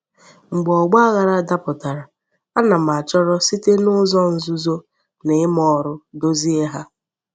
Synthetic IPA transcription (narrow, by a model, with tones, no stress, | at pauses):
ŋ͡m̩˨ɡ͡bɔ˨ɡ͡ba˦a˦ɣa˨ɾa˦da˦pʊ˨ta˨ɾa˨ | a˦na˨m˨a˨t͡ʃɔ˦ɾɔ˦si˦te˦nʊ˦zɔ˦n̩˨zu˦zo˦ | ne˨ɪ˦m˦ɔ˦ɾʊ˦do˦zi˦e˦ɦa˦